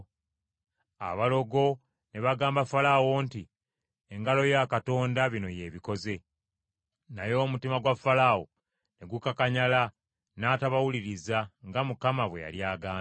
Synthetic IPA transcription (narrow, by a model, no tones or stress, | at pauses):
a̰βalo̞ɡo̞ | ne̞βaɡaːmbafalawo̞nti | eŋɡalo̞jakato̞ːndaβino̞je̞ːβiko̞ze̞ | najo̞ːmutimaɡwafalawo | ne̞ɡukakaɲala | naːtaβawuliɾizaŋɡamukamaβwe̞̰ja̰ljaːɡaː